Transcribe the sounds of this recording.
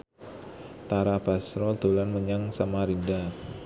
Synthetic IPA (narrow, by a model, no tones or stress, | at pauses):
t̪aɾabasɾɔd̪olanməɲaŋsamaɾinda